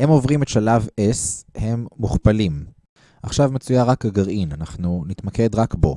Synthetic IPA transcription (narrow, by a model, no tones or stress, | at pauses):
he̞mo̞vʁimet̪ʃalaveshe̞mːuχpalim | aχʃavmet͡sujaʁakaɡaʁinanaχnunit̪make̞d̪ʁakbo̞̰